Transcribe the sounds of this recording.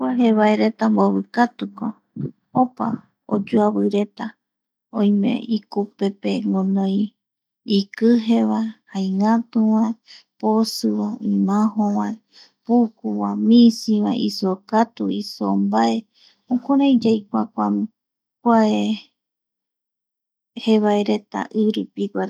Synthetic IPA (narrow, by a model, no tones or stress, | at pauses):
kʷaɦeβaeɾe̞t̪amboβɨkat̪uko | opa̰ | o̰d͡ʒuaβɨɾe̞t̪a | õj̃mḛikupe̞pe̞ŋɡõnõj | ikɨɦe̞βahajŋãt̪ũwãeposɨβaĩmãɦõwãe | pukuwamĩsĩβa̰isokat̪uiso̰mbae̞ | õkoɾãj̃d͡ʒajkʷakʷam | kʷae | heβaeɾe̞t̪a̰ʔɨɾupiɡʷaɾ